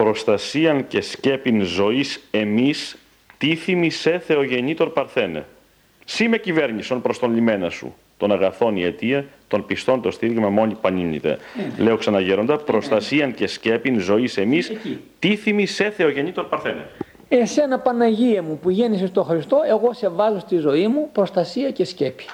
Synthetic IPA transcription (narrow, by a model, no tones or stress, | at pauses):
pɾo̞st̪ɐsiɐnce̞sce̞pinzo̞ise̞mis | t̪iθimise̞θe̞o̞ʝe̞ɲit̪o̞ɾpɐɾθenḛ | sime̞cive̞ɾɲiso̞npɾo̞st̪o̞nlime̞nɐsṵ | t̪o̞nɐɣɐθo̞niet̪iɐt̪o̞npist̪o̞nt̪o̞st̪iɾjomɐmo̞ɲipɐniɲḭt̪ḛle̞o̞ksɐnɐʝeɾo̞nd̪ɐpɾo̞st̪ɐsiɐnce̞sce̞pinzo̞ise̞mist̪iθimise̞θe̞o̞ʝe̞ɲit̪o̞ɾpɐɾθenḛ | ese̞nɐpɐnɐʝiɐmupuʝenisest̪oxɾist̪o̞e̞ɣo̞se̞vɐzost̪izo̞imupɾo̞st̪ɐsiɐcescepi̥